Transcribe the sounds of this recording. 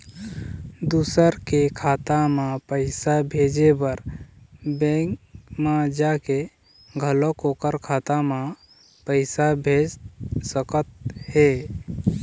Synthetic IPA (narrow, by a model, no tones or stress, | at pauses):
d̪usəɾkekʰat̪amãpəɪsabʱed͡ʒebəɾ | bẽkmad͡ʒake | ɡʱəlokokəɾkʰat̪amã | pəɪsabʱed͡ʒsəkət̪̚he